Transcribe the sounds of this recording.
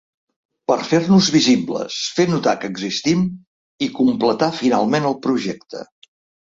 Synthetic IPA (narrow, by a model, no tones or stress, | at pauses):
pəɾfernuzβiziblə̰sfenut̪akəɡzist̪im | ikumplət̪afina̰lˠmenəlˠpɾuʒɛk̚t̪ə̰